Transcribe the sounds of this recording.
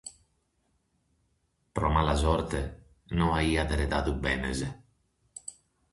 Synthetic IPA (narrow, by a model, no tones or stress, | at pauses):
pɾɔmalazɔɾt̪e | nɔaiːad̪eɾet̪at̪ubɛnḛze